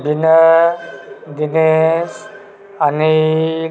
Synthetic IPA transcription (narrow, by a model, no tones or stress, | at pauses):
bʱinə | d̪ines | ani